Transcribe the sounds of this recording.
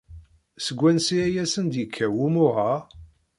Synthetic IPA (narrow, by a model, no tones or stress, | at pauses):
səɡʷːænsiæjæsənd̪jəkʰːæwumʊʁa